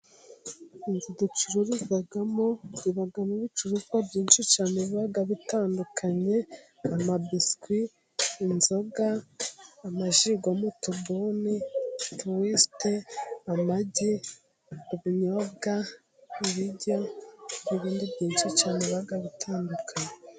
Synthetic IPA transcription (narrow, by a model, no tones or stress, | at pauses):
inzidut͡ʃuɾuɾizaɡamoɾiβaɡamuβit͡ʃuɾuzwabɟiːnʃit͡ʃaːneβiβaɡaβitaːndukʰaɲe̞ | amabiskwiː | nzo̞ɡaː | maʒiɡomutubuːnituwisteamaɟi | uβiɲoɡa | iβiɟoiβiːndibɟiːnʃit͡ʃaːneβiβaɡaβitʰaːndukʰaɲe